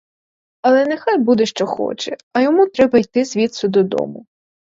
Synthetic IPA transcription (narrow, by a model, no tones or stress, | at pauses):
ɐlˠɛnexajbud̪ɛʃt͡ʃɔxɔ̰t͡ʃɛɐjɔmut̪ɾɛbɐjt̪ɪzʲʋʲit̪sʊd̪ɔd̪ɔ̰mʊ